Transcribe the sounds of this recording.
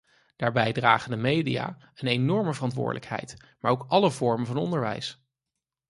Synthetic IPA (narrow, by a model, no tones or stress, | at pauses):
d̥aːɹbɛjdraːχəndəmejdija̰ː | ənejnɔɹməvərɑntʋʊ̰ːɹdələkɦɛ̰jt | maːɹowkɑləvɔɹmənvɑnɔ̰ndəɹʋɛ̰js